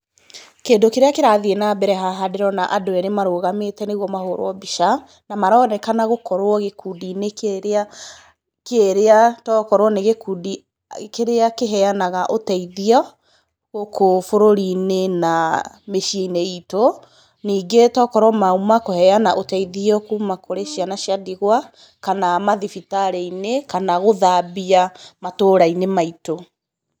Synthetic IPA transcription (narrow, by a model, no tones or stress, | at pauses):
keːndokeɾeakeɾaðienaːbɛɾɛɦaɦadeɾɔnaʔadoɛɾemaɾoːɣametɛneɣwɔmahoɾɔbiʃa | namaɾɔnɛkanaɣokɔɾwɔɣekudinekeɾea | keeɾeatɔːkɔɾwɔneɣekuːdi | keɾeakeɦɛanaɣaʔotɛiðiɔ | ɣokofoɾoɾinena | meʃieineito | niːɡetɔːkɔɾwɔmaumakohɛanaʔotɛiðiɔkuːmakoɾeʃianaʃjadiɣwa | kanamaðifitaɾeinekanaɣoðabiamatoːɾainemaito